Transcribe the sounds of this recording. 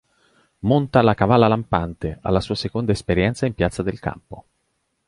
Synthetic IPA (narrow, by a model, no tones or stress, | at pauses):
mont̪alakavalːalampant̪ea̰lːasuːasekond̪aespeɾjɛnt̪saimpjat̪sːad̪elka̰mpo